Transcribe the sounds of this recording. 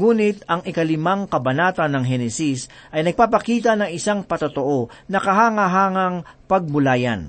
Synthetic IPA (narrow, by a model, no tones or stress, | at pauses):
ŋuːnɪt̪ɐŋɪkɐlɪmaŋkɐbɐnaːt̪ɐnɐŋɦɛnɛsis | ʔɐjnɐɡ̚paːpɐkiːt̪̬ɐnɐŋɪsaŋpɐt̪ot̪oʔonɐkɐɦaːŋaɦaːŋɐŋpɐɡ̚bʊlaːjɐ̰n